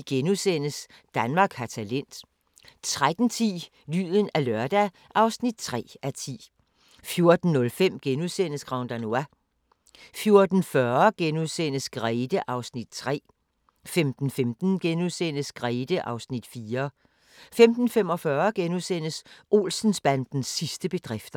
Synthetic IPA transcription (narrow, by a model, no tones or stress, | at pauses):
ɡ̥enusen̰əs | d̥ænmɑ̈ːɡ̥hɑ̈t͡sʰælen̰d̥ | t͡sʰʁad̥n̩t͡sʰḭː | ly̰ːðˠən̩ælɶɐd̥æ | ʔɑ̈ʊsnid̥̚t͡sʰʁɛ̰ːæt͡sʰḭː | fjo̝ɐd̥n̩ːɔ̽lfem̰ɡ̥enusen̰əsɡ̥ʁɑ̈ʊnd̥ænuæ | fjo̝ɐd̥n̩fɶɐɡ̥enuðˠsen̰əsɡ̥ʁɛːd̥əʔɑ̈ʊsnid̥t͡sʰʁɛ̰ː | femd̥n̩femd̥n̩ɡ̥enuðˠsen̰əsɡ̥ʁɛɪd̥əʔɑ̈ʊsnid̥fiːɐ | femd̥n̩fem̰ɒfɶːɐɡ̥enuðˠsen̰əsʔo̝̰ːlsn̩sb̥ænd̥n̩sːisd̥əb̥e̝d̥ʁɛfd̥ɐ